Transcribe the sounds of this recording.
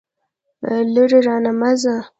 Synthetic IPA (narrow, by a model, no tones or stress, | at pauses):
luɾeɾɑnamaza